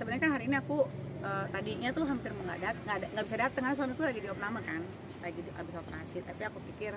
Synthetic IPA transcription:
səbənarkanɦaɾiːniaku | əːt̪adiɲat̪ʊɦampɪrməŋɡa̰ʔdat̪̚ŋɡadaŋɡaʔbisadat̪əŋaɲas̬anat̪ulaɡidiɔp̚namakan | laɡidʔa̰bisopərhasɪlapiakupikɪr

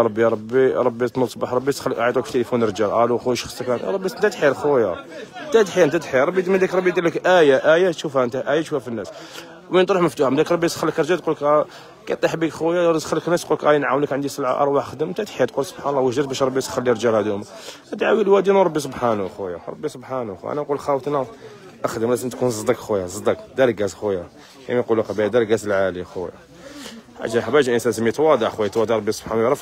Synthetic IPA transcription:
ɾˤɑbːiɾˤɑbːiɾˤɑbːit̪nusˤbɑħɾˤɑbːisxlːʕajt̪ˤukft̪elifunəɾd͡ʒælʔæluxujʃxsˤːəkænɾˤɑbːint̪æt̪ħiɾxuja̰t̪æt̪ħjənt̪æt̪ħiɾɾˤɑbːimnd̪ækɾˤbːid̪iləkʔæjaʔæjat̪ʃufhæənt̪æʔæjæʃuhæfinːæs | wmint̪ˤɾuħməft̪uħamd̪ækɾˤɑbːisxəlːəkɾd͡ʒælt̪̚qulːk | kæjt̪ˤːiħbikxujad̪xəlːəknːæst̪qulkʔæjənʕawnikʕənd̪isˤəlʕa̰ʔɑ̰ɾˤwaħəxd̪əmmt̪aʕt̪ħjæt̪̚qulsˤəb̥ħanlˤːɑwəʒd̪æt̪bæʃɾˤbːisxəlːiɾˤd͡ʒælhæd̪uhm | ʔæd̪ʕawilwæd̪inuɾˤɑbːis̬ˤʊbħanwxujaɾˤɑ̰bːisˤobħanxʔæ̰næqulxæwt̪næ | ʔəxd̪əmlæsənt̪kunzˤd̪ɑkxujazˤd̪ɑkd̪æɾɡæzxuja | kæ̰mæqulːukæbæjd̪æɾɡæzəlʕalixuja̰ | æ̰ʒæħbæʒʔənsænzəmːit̪wɑd̪ˤɑʕxwæjat̪wɑd̪ˤɑʕɾˤbːisˤob̥ħanwɾˤɑf

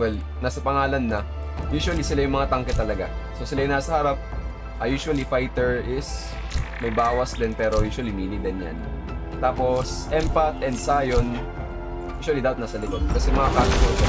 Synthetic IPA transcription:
wɛl | naːsɐpɐŋaːlɐnːɐ | juːʃwɐlisɪlajʊŋmɐŋat̪ɐŋkɛt̪ːɐlɐɡa̰so̞sɪlajʊnaːsɐhɐɾap̚ | ʔɐjuːʃʊɐlifajt̪ɛɹɪs | mɐjbaːwɐsd̪ɛnpɛːɾo̞juːʃwɐlimiːnid̪ɛnja̰n | t̪aːpo̞sʔɛmpɐt̪ʔɛnd̪saːjon | juːʃwɐlid̪aːpɐt̪naːsɐlɪkod̪̚kɐsɛmɐŋakaːɡ̪ɐt̪o

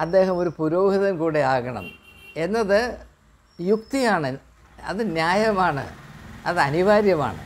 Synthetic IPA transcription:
ɐd̪ːe̞ːɦɐmo̞ɾupuɾo̞ːhiðɐnkuːɽeaːɣɐɳɐ̰me̞nːɐðɨ | juk̚t̪ijaːɳɨ | ɐ̰ðɨnjaːjɐmaːɳɨ̰ɐðɨɐniʋaːɾjɐma̰ːɳɨ̰

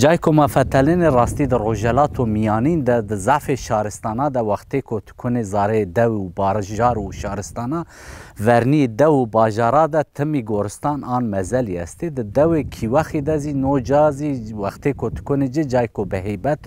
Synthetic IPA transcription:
d͡ʒɑːjkʰomɑfɛt̪ʰɛlenerɑːst̪id̪ɨroʒɛlɑːt̪ʰomijɑːniːnd̪ɛd̪ɨzaʕfeʃɑːɾɨst̪ɑːnɑːd̪ɛwɑxt̪eːkʰot̪ʰɨ̥kʰʊnezɑːɾɛed̪ɛwiubɑːɾʒɑːɾuʃɑːɾɨst̪ɑːnɑvɛɾnijed̪ɛwubɑːʒɑːɾɑːd̪ɛt̪ʰɨmiɡoːɾɨst̪ɑːnɑːnmɛzɛliɛ̰st̪ed̪ɨd̪ɛweːkʰiwɛxid̪ɛzinod͡ʒɑːziwɛxt̪eːkʰot̪ʰɨ̥kʰʊned͡ʒɨd͡ʒɑːjkobɨɦejbɛt̪

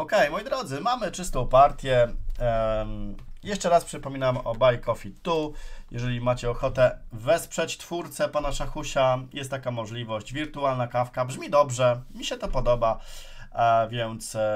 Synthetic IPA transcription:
ɔkɛjmɔjd̪ɾɔd̪zɘmamɘt͡ʂɘst̪ɔ̃w̃paɾt̪ʲjɛ | jɛʂt͡ʂɛɾaspʂɘpɔmʲinamɔ̰bajkɔfʲit̪ujʔɛʐɛlʲimat͡ɕɛɔxɔt̪ɛvɛspʂɛt͡ɕt̪fuɾt̪sɛpɔnaʂaxuɕajɛst̪ːakamɔʐlʲivɔɕd͡ʑvʲiɾt̪ualnakafkabʐmʲid̪ɔbʐɛmʲiɕɛt̪ɔpɔd̪ɔba | vʲjɛnt̪s

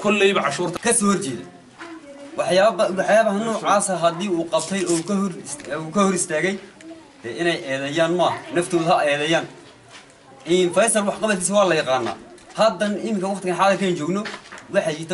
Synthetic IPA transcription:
kʰɔlːɛjβɐʕɑʃuːrt̪ʰɐkʰɐsɔːhɔrt͡ʃɛːðɛ̰j | wɑħjaːwɑħjaːβɐhɐnɔːʕaːsɐɦɐd̪iːuːqɑb̚t̪ʰɛjɔːkʰruːkʰɐhɔɾɪst̪ʰaːɣɛjd̪̥ɛːʔɪnɛjʔɛːðɛjaːnmaːɦɐnɐft̪ʰoːðʊɦɐɛːðɛjaːn | ʔɪnfɛjsɐrwɑħqɑβɐt̪kʰiːs̬ɐwɑːlɐjɑqɑːnːa̰ː | hɐd̪ːɐnɪmɪŋkʰɐwɑχt̪ɪɣɐnħɑːlɐkʰaːnt͡ʃɔːɡnɔwɑħɑjit̪ʰ

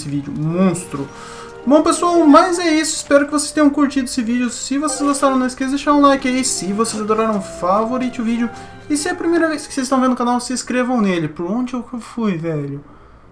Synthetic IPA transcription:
sɪvid͡ʒʊ̰mõst̪ɾʊ | bõpesoawmɐjzɛisʊɪspɛɾʊkɪvose̥st̪ẽɲ̃ɐ̃kuɾt͡ʃid̪ʊesɪvid͡ʒʊsɪvosezɡost̪aɾɐ̃w̃nɐisked̪eʃaɾ̃ũlajkɪaisɪvosejzad̪oɾaɾɐ̃w̃favoɾit͡ʃɪʊvid͡ʒʊ | ɪsɪɛɐpɾimejɾɐvejskɪ̥sezst̪ɐ̃vẽʊkanawsɪːskɾevɐ̃w̃nelɪpoɾõd͡ʒɪewkewfujvɛʎʊ

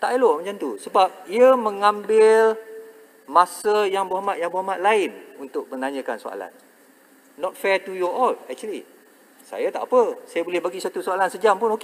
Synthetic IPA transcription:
t̪aʔeloʔmat͡ʃant̪usəbap̚iəmə̃ŋãmbɪl | masəjaŋboamat̪̚jaŋboamat̪̚laɪnunt̪ʊk̚mənãɲə̃kansoa̰la̰nː | ɔt̪̚fɛt̪ujɔʔɔlɛk̚t͡ʃuəli | sa̰jat̪aʔapəsajabolɛhbaɡisuat̪usoalansəd͡ʒampʊnoke

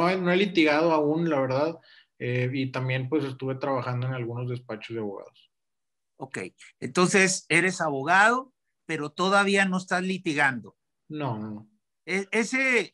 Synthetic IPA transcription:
oenoelit̪iɣaðoaunlaβe̞ɾðað | eit̪ambje̞npwe̞se̞st̪uβe̞t̪ɾaβaxand̪oenalɣuno̞zðe̞spat͡ʃozðeaβoɣa̰ð̞os | oke̞̰jent̪o̞nse̞se̞ɾe̞saβo̞ɣaðo̞ | pe̞ɾo̞t̪o̞ðaβ̞iano̞est̪azlit̪iɣand̪o̞ | nonono | eese

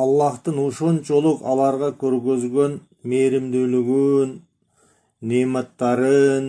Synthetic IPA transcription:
ɑlˠːɑht̪ənuʃont͡ʃolˠʊqɑ̰lˠɑɾʁɑkʲʰɵɾɡøzɡʲe̞n | meɾɪmd̪ylyɡynː | emɑt̪ːɑɾən

